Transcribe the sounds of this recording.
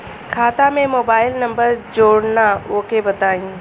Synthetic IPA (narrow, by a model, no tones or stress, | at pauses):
kʰaːt̪amẽmoːbaːɪlnɐ̃mbəɾzd͡ʑoːɽnaoːkebɐt̪aːĩː